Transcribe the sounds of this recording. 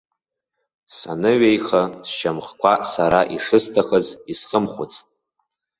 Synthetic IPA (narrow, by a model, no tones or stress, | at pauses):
sa̰nɨɥejχast͡ʃʰamχkʷʰasaɾaʔiʂɨstʰaχəzisχəmχʷʊt͡sʰʼtʼ